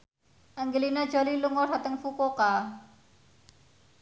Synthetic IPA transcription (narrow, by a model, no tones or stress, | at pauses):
ʔaŋɡəlinad̥ʒ̥a̤liluŋɔdat̪əŋfukoka